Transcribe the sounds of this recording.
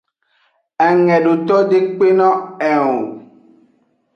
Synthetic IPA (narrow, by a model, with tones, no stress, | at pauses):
ɛ˨ŋɛ̃˨ɖo˨t̪ɔ˦ɖe˦k͡pe˦nɔ̃˦ɛ˨o˨